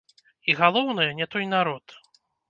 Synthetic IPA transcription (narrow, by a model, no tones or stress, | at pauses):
iɣalˠɔwnɨjɐnʲɛt̪ɔjnaɾɔt̪